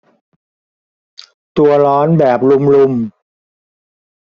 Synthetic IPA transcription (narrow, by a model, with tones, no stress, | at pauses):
t̪u˧ɐlɔː˦˥nbɛː˨˩p̚lu˧mlu˧m